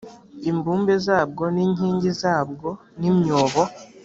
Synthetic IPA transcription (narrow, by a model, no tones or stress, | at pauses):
imbuːmbezaːb̚ɡo̞niːɲiːɲɟizaːb̚ɡo̞ | nimɲoːβo